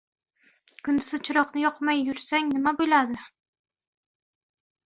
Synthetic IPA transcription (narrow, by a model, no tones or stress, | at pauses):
kʰʊnd̪ɪzɪt͡ʃʰɪɾɒqnɪjɒqmajːʊɾsaŋnɪmabʊlad̪ɪ